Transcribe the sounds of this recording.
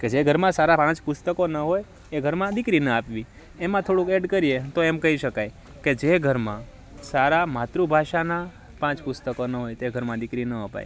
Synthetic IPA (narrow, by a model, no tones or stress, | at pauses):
ked͡ʒeɡʱəɾmãsaɾapãt͡ʃpʊst̪əkonəɦoj | eɡʱəɾmãd̪ɪkɾinəapʋi | emãt̪ʰoɽũkeɖkəɾiet̪oemkəɦiʃəkaj | ked͡ʒeɡʱəɾmã̰ | saɾamat̪ɾubʱaʃana | pãt͡ʃpʊst̪əkonəɦojt̪eɡʱəɾmãd̪ɪkɾinəəpa̰j